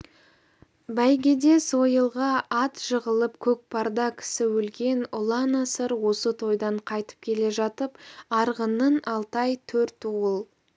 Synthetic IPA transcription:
bæjɡʲed̪e̞sojəlˠʁɑɑt̪ʒ̥əʁəlˠəpkʲʰɵk̚pʰɑɾd̪ɑkʲʰɪ̥sɪwɵlɡʲe̞nʊlˠɑnɑsəɾwo̞sət̪ʰo̞jd̪ɑɴqʰɑjt̪ə̥p̚kʲʰe̞le̞ʒɑt̪əpɑɾʁənənɑlˠt̪ɑjt̪ʰɵɾt̪uʁəlˠ

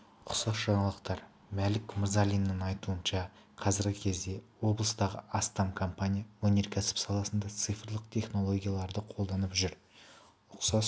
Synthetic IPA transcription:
qʰʊ̥sɑsʒɑɴɑlˠəqt̪ɑɾ | mælɪkmʊɾzalʲijnːəŋɑjt̪uənʃɑ | qʰɑzɪɾɡʲɪkʲʰe̞zd̪e̞wo̞blˠəst̪ɑʁə̰ɑst̪amkʰompanʲijawɵne̞ɾkʲʰæsɪ̥psɑlˠɑsənd̪ɑt̪sɨjfrlˠəqt̪ʲʰe̞χno̞lˠo̞ɡʲijalˠɑɾd̪əqʰo̞lˠd̪ɑnəpʒʏɾ | ʊqsɑs

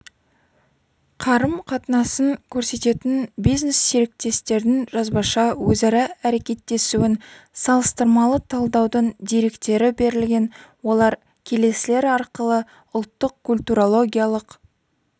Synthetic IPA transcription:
qʰɑɾəmqʰɑt̪ənɑsəŋkʲʰɵɾse̞t̪e̞t̪ɪnbijznesːeɾɪk̚t̪e̞st̪e̞ɾd̪ɪnʒɑzbɑʃɑwɵzɑɾɑæɾe̞kʲe̞t̪ːe̞suɪnsɑlˠəst̪əɾmɑlˠət̪ʰɑlˠd̪ɑwd̪əɴd̪e̞ɾe̞kt̪e̞ɾɪbe̞ɾɪlɡʲe̞nwo̞lˠɑɾ | kʲʰe̞le̞sɪle̞ɾɑɾqəlˠə | ʊlˠt̪ːəqkʰulʲt̪uɾolˠo̞ɡʲijalˠəq

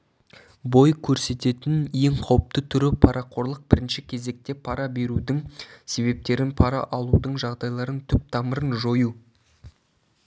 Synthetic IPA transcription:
bo̞jkʲʰɵɾse̞t̪e̞t̪ɪnje̞ɴqʰɑwəp̚t̪ət̪ʰʏɾɪpʰɑɾɑqʰo̞ɾlˠəq̚bɪɾɪnʃɪkʲʰe̞ze̞k̚t̪e̞pʰɑɾɑbe̞ɾud̪ɪŋse̞βe̞p̚t̪e̞ɾɪnpʰɑɾɑ̰ʔɑlˠud̪əɴʒɑʁd̪ɑjlˠɑɾənt̪ʰʏp̚t̪ʰɑməɾənʒo̞ju

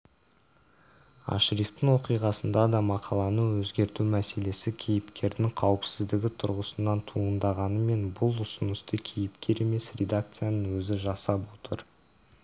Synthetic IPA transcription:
ɑ̰ʃɾift̪əŋwo̞qijʁɑsənd̪ɑd̪ɑmɑqʰɑlˠɑnəwɵzɡʲe̞ɾt̪umæse̞le̞sɪkʲʰejɪpkʲe̞ɾd̪ɪŋqʰɑwəpsɪzd̪ɪɡʲɪt̪ʰʊɾʁəsənːɑnt̪ʰuənd̪ɑʁɑnəme̞nbʊlˠʊsənəst̪əkʲʰejɪpkʲʰe̞ɾe̞me̞srʲe̞d̪ak̚t̪sɨjanəŋwɵzɪʒɑsɑpwo̞t̪əɾ

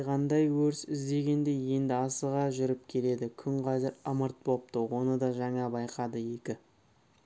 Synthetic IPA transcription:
ʁɑnd̪ɑjwɵɾsɪzd̪e̞ɡʲe̞nd̪e̞je̞nd̪ɪɑsəʁɑʒʏɾɪp̚kʲʰe̞le̞d̪ɪkʲʰʏŋqʰɑzɪɾəməɾt̪̚bo̞p̚t̪əwo̞nəd̪ɑʒɑŋɑbɑjqɑd̪əje̞kʲɪ

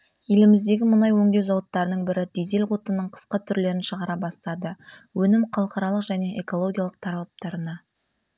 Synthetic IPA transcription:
je̞lɪmɪzd̪e̞ɡʲɪmʊnɑjwɵŋd̪ewzɑwət̪ːɑɾənəɴbɪɾɪd̪ed̪e̞lqo̞t̪ənːəɴqʰə̥sqɑt̪ʰʏɾle̞ɾɪnʃəʁɑɾɑbɑst̪ɑd̪əwɵnɪmqʰɑlˠəqɑɾɑlˠəqʒæne̞ʔeko̞lˠo̞ɡʲijɑlˠəq̚t̪ʰɑɾɑlˠəp̚t̪ɑɾənɑ

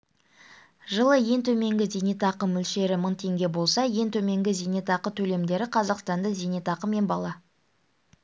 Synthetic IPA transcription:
ʒəlˠəje̞nt̪ʰɵme̞ŋɡʲɪzenet̪ɑqəmʏlʃe̞ɾɪməɴt̪ʰe̞ŋɡʲe̞bo̞lˠsɑje̞nt̪ʰɵme̞ŋɡʲɪzejnet̪ɑqət̪ʰɵle̞md̪e̞ɾɪqʰɑzɑqst̪ɑnd̪əzenet̪ɑqəme̞nbɑlˠɑ

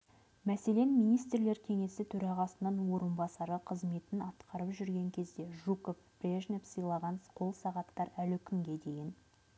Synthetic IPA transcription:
mæse̞le̞nmijnijst̪rle̞ɾkʲʰe̞ŋe̞sɪt̪ʰɵɾɑʁɑsənɑnwo̞ɾənbɑsɑɾəqʰəzme̞t̪ɪnɑt̪qʰɑɾəpʒʏɾɡʲe̞ŋkʲʰe̞zd̪e̞ʒukofb̥rʲeʒnepsəjlˠɑʁɑnsqʰo̞lˠsɑʁɑt̪ːɑɾælɪkʲʰʏŋɡʲe̞d̪e̞jɪn

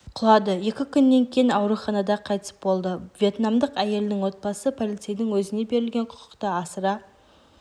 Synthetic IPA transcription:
qʰʊlˠɑd̪əje̞kʲɪkʲʰʏnːe̞ŋkʲʰejɪnɑwɾuχɑnɑd̪ɑqʰɑjt̪ə̥sə̥pbo̞lˠd̪əvʲje̞t̪namd̪əqæje̞lɪnɪŋwo̞t̪̚bɑsəpʰo̞lˠit̪sejd̪ɪŋwɵzɪne̞be̞ɾɪlɡʲe̞ɴqʰʊ̥qʊ̥qt̪ɑɑsəɾɑ

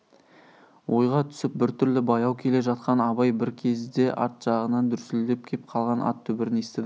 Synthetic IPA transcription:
wʔo̞jʁɑt̪ʰʏ̥sɪp̚bɪɾt̪ʰʏɾlɪbɑjɑwkʲʰe̞le̞ʒɑt̪qɑnɑbɑjbɪɾkʲʰe̞zd̪e̞ʔɑ̰ɾt̪ʒ̥ɑʁənɑnd̪ʏɾsɪld̪e̞p̚kʲʰep̚qʰɑlˠʁɑnʔɑ̰t̪ʰːʏbɪɾɪnest̪ɪd̪ɪ

